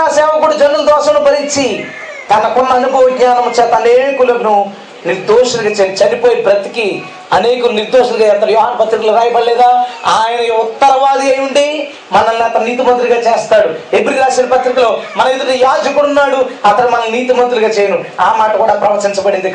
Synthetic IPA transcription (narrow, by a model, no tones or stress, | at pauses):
aːsɛːʋɐkuːɽad͡ʒɐnːuld̪ɔːʃɐmnubɐɾit͡ʃːi | t̪ɐnɐkɔnːɐːnubʱɐʋɐɡɲaːnɐmut͡ʃːɛːt̪ɐneːɽkulɐknu | niɾd̪oːʂɐlɡaːt͡ʃːt͡ʃɐnipoːjipɾɐt̪i̥ki | ɐneːkɐniɾd̪oːʂɐlut͡ʃɐjɐːɾt̪ɐːɾjɔːɦaːnpɐt̪ɾikɐloɾaːjɐbɐɭlɛːd̪aːaːjɐnɐut̪ːɐɾɐʋaːd̪iɐjuɳɖi | mɐnɐlːiɐt̪ɐnniːt̪imɐnt̪̬uɾuɡaːt͡ʃɛːst̪aːɽuebɾid̪aːʃɐnipɐt̪ɾikɐloːmɐnɐend̪uɾijaːd͡ʒɐkuɽunːaːɽuɐt̪ɐɽmɐnɐlniːt̪imɐnt̪uɾuɡaːt͡ʃɛːjɐnuaːmaːʈɐkuːɽaːpɾɐʋɐɾt͡ʃiɲt͡ʃɐbɐɽend̪uk